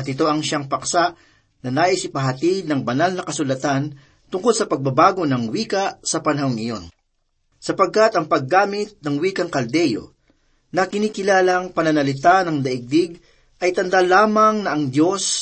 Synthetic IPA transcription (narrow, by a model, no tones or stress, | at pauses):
ɐt̪ɪt̪o̞ʔɐŋʃaŋpɐksa | nɐnaːʔɪsɪpɐɦɐt̪id̪̚nɐŋbɐnalnɐkɐsʊlɐt̪an | t̪ʊŋkolsɐpɐɡ̚bɐbaːɡo̞nɐŋwiːkɐsɐpɐnɐɦoŋɪjo̞n | sɐpɐɡ̚kat̪ɐŋpɐɡːaːmɪt̪̚nɐŋwiːkɐŋkɐld̪ɛjo̞̰ | nɐkɪniːkɪlaːlɐŋpɐnɐnɐlɪt̪anɐŋd̪ɐʔɪɡ̚d̪ɪɡ̚ | ʔɐjt̪ɐnd̪alaːmɐŋnɐɐŋd̪jo̞s